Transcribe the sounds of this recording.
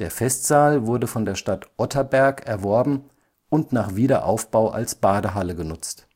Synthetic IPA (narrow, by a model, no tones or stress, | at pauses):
d̥eːɐfɛstz̥aːlvʊɐdəfɔndeːɐʃtatʔɔtʰɐbɛɐkɛɐvɔɐbm̩ | ʔʊntnaːχv̥iːɾɐʔa̰ʊfb̥aʊʔa̰lsb̥aːdəɦaləɡənʊt͡st